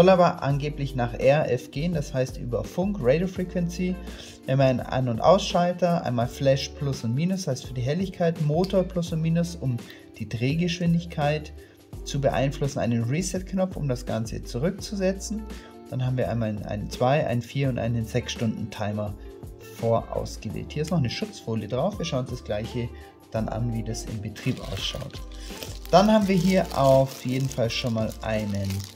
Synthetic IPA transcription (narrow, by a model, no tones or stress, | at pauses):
zɔlaːbɐʔa̰nɡeːplɪçnaːχʔɛɐʔɛfɡ̥eːəndashaɪstʔy̰ːbɐfʊŋkʁeɪdofʁiːkvɛnt͡si | ʔɛnmaɪna̰nʊntʔa̰ʊsʃaltɐʔa̰ɪnmaːlflɛʃpʰlʊsʊntmiːnʊshaɪstfyːɐdiːɦɛlɪçkʰaɪtmoːtoɐpʰl̥ʊsʊntmiːnʊsʊm | d̥iːdʁeːɡəʃv̥ɪndɪçkʰaɪt | t͡subəʔa̰ɪnflʊsn̩a̰ɪnənʁisɛt̚knɔp͡fʊ̰mdasɡ̥a̰nt͡sə̰t͡suʁʏk̚t͡suzɛt͡sn̩ | d̥anhɦaːbm̩viːɐʔaɪnmaːlnʔa̰ɪnənt͡sv̥aɪʔa̰ɪnənfiːɐʊntʔa̰ɪnənzɛksʃtʊndn̩tʰaɪmɐ | foːɐʔa̰ʊsɡ̥əvḛːlthiːɐɪstnɔχnəʃʊt͡sfoːljədʁaʊfv̥iːʃaʊnsd̥asɡ̥laɪçə | d̥anʔa̰nviːdasɪ̰mbətʁ̥iːpʔa̰ʊsʃa̰ʊtd̥anhaːbm̩viːɐɦiːɐʔaʊfjeːdn̩falʃoːnmaːlʔa̰ɪnən